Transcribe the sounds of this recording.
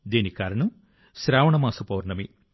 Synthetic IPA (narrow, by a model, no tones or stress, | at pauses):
d̪iːnikaːɾɐɳu | sɾaːʋɐɳɐmaːsɐpɐːɾɳɐmi